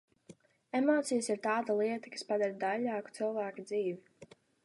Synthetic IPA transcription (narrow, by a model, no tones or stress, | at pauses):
emɔːt̪sijasiɾt̪aːd̪alˠiɛt̪akḁspad̪aɾd̪aʎʲːaːku̥t̪sɨlˠvaːkad̪ziːvi